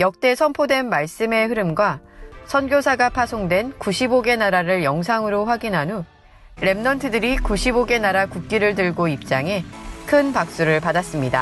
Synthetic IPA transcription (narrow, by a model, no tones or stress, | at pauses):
jʌk̚t͈e̞sʰʌmpʰodwe̞nmaɭs͈ɯme̞ɦɯɾɯmɡwasʰʌnɡjosʰaɡapʰasʰoŋdwe̞nkuɕʰiboɡe̞naɾaɾɯɭjʌŋs̬ʰaŋɯɾoɸwaɡinɦanu | ɾe̞mnʌntʰɯdɯɾikuɕʰiboɡe̞naɾakuk̚k͈iɾɯɭt̬ɯɭɡoip̚t͡ɕ͈aŋe̞kʰɯnpak̚s͈uɾɯɭpadas͈ɯmɲida̰